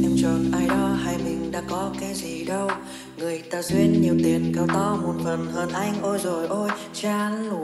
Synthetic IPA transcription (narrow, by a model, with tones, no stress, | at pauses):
t̪i˧mt͡ɕɔ˨˩nʔaː˧jɗɔ˨˦haː˧˩jmï˨˩ŋ̟ɗa̰ː˧˥kɔ˨˦kaː˨˦jzi˨˩ɗə˧w | ŋɨ˨˩əjt̪aː˧zwi˧ənɲi˨˩əwt̪i˨˩ənke˨˦wt̪ɔ˧mo˨˩t̚fə˨˩nɣəː˨˩nʔa˧jŋ̟ʔo˧jzo˨˩jʔo˧j | t͡ɕaː˧n˧˩